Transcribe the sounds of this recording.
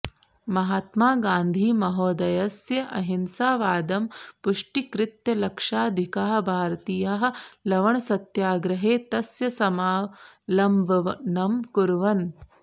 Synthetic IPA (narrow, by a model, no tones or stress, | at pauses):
mɐɦaːt̪maːɡaːnd̪ʱiːmɐɦoːd̪ɐjɐsjɐʔɐɦinsaːʋaːd̪ɐmpuʂʈikɾɪt̪jɐlɐkʂaːd̪ʱikaːɦɐ̆bʱaːɾɐt̪iːjaɦɐ̆lɐʋɐɳɐsɐt̪jaːɡɾɐɦeːt̪ɐsjɐsɐmaː | lɐmbʱɐʋɐnɐmkuɾʋɐn